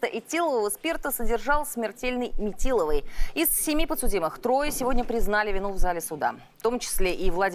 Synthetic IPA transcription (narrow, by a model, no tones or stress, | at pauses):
t̪əʔɪtʲːilˠəvəvəspʲert̪əsədʲɪrʐɑlˠsʲmʲɪrtʲelʲnɨjmʲɪtʲilˠəvəjɪssʲɪmʲipət̪sʊdʲiməxt̪ɾo̞jəsʲɪvo̞dʲnʲəpɾʲɪznalʲɪvʲɪnuvzalʲɪsʊd̪a̰ | ft̪o̞mt͡ɕɪ̥sʲlʲeʔivlˠɐdʲ